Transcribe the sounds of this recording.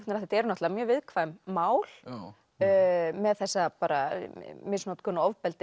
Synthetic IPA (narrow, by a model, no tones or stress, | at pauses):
t̪naɾaθɛt̪ɛɾnɔht̪aamjœːɾvɪðkʰvamːaːwl̥ | mɛðθɛsːapaːɾa̰mɪsnɔt̪kʰʏnaɔvpɛlt̪ɪ